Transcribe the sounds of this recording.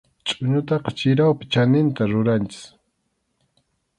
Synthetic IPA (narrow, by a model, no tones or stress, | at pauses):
t͡ʃʼʊɲʊt̪ɑqɑt͡ʃɪɾawpɪ̥t͡ʃanɪnt̪aɾʊɾant͡ʃɪ̥s